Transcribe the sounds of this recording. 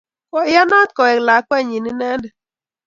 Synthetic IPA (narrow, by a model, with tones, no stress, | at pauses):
kɔ˨ɪ˦ja˦na˦t̪̚kɔ˨ɛ˨kla˨˦kwɛ˦˨ɲi˨ni˦nɛ˦ndɛ˨